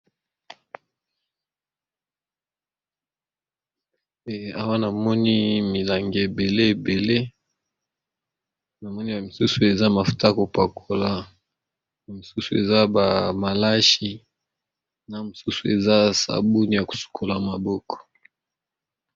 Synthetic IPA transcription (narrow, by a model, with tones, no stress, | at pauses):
a˦wa˦na˨mɔ˦ni˦mi˨la˨ŋɡe˨e˨be˨le˦˨be˨le˦ | na˨mɔ˦ni˦ba˨mi˨su˦su˨e˨za˦ma˨fu̥˨ta˦ko˨pa˨kʰo˦la˦ | na˨mu˨su˦su˨e˨za˦ba˨ma˨la˦ʃi˦ | na˨m̩˨su˦su˨e˨za˦sa̰˨bu˦ni˦ja˨ku̥˨su̥˨kʰo˨la˨ma˨bɔ˦kʰɔ̥˨